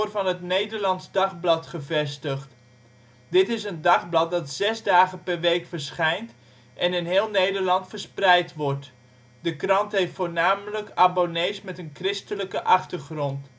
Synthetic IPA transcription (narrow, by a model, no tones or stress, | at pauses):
rvɑnɦətnejdəɹlɑnzdɑχblɑtχəvɛstəχt | dɪtɪs̬əndɑχblɑt̚dɑtzɛzdaːχəpɛrʋejkfəɹsχɛjnt | ʔɛnɪnɦɪːlˠnejdəɹlɑntfəɹsprɛjtʋɔɹt | dəkrɑntɦejftfoːɹnaːmələkabonejsmɛtənkrɪstələkəʔɑχtəɹχrɔnt